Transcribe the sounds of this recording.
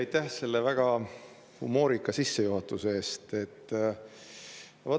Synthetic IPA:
ɑjt̪ːæhse̞lːevæɡ̥ɑ | hṵmo̞ːɾikːˑɑsisːe̞juɦɑt̪ːˑuseeːst̪e̞t̪ːˑ | vo

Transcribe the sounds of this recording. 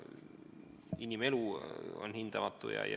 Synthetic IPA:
inimeluo̰nhint̪ɑmɑt̪ːujɑ̰jɑ

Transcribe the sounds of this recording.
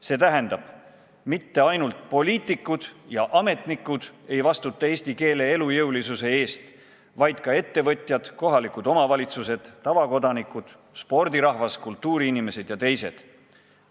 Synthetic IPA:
se̞t̪æɦe̞nd̪̥ɑb̥ | mit̪ːe̞ɑjnult̪̚po̞liːt̪ːˑikːˑud̪̥jɑʔɑme̞t̪nikːˑud̪̥e̞jvɑst̪ut̪ːˑɑe̞ːsʲt̪ike̞ːle̞elujɤwlisuse̞e̞ːst̪ | vɑjd̪̥̚kɑe̞t̪ːe̞vɤt̪ʲˑjɑd̪̥ko̞ɦɑlikud̪o̞mɑvɑlʲit̪suse̞d̪̥ːɑvɑko̞d̪ɑnikːˑud̪̥ | spo̞rd̪iɾɑɦvɑskult̪ːuːɾiinime̞se̞d̪̥jɑt̪e̞jse̞̰d̪̥

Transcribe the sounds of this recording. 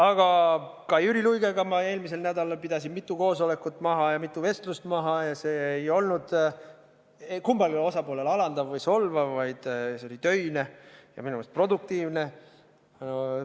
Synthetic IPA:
ɑɡ̥ɑkɑjyɾilujɡe̞ɡ̥ɑmɑe̞ːlmis̬e̞lnæd̪ɑlɑlpid̪̥ɑsinmit̪ːˑuko̞ːso̞le̞kːˑut̪ːˑmɑɦɑjɑmit̪ːˑuve̞st̪lust̪mɑɦɑjɑse̞ːjo̞lnud̪̥ | ekumbɑlilo̞sɑpoːle̞lɑlɑnd̪ɑvvɤjso̞lvɑvɑjd̪̥seo̞lit̪ø̞jne̞jɑ̰minumest̪pro̞d̪uk̚t̪iːvne̞ | o

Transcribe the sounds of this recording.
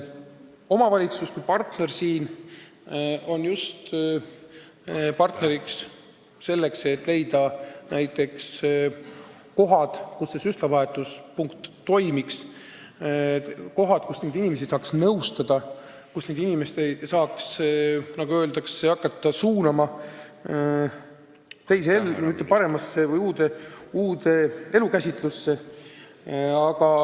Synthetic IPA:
o̞mɑvɑlʲit̪suskujpɑrt̪ne̞rsiːn | o̞njust̪ | pɑrt̪ne̞ɾiks | se̞lːe̞kse̞t̪ːˑle̞jd̪̥ɑnæjt̪ːˑe̞ks | ko̞ɦɑd̪̥kusːesyslɑvɑɦe̞t̪ːˑuspuŋkt̪ːo̞jmiks | ko̞ɦɑd̪̥kusne̞ːd̪inime̞s̬isɑːksnɤwst̪ɑd̪̥ɑ | kusne̞ːd̪inimest̪esɑːksnɑɡuø̞ːld̪ɑkseɑkːˑɑt̪ˑːɑsuːnɑmɑ | t̪e̞js̬eelmyt̪ːˑepɑɾe̞mɑsːe̞vɯjuːd̪e̞uːd̪e̞elukæsʲit̪lusːe̞ | ɑɡ̥ɑ

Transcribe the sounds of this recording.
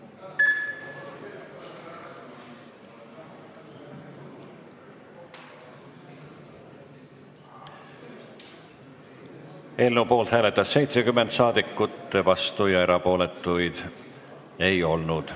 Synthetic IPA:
e̞lnupo̞ːlt̪hæːle̞t̪ːˑɑsːe̞jt̪sekymːent̪sɑːd̪̥ikːˑut̪ːˑe̞vɑst̪ujɑeɾɑpo̞ːle̞t̪ːˑujd̪̥ | e̞jo̞lnud̪̥

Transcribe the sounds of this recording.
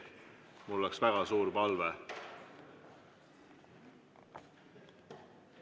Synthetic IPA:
mulːeksvæɡ̥ɑsuːɾpɑlve

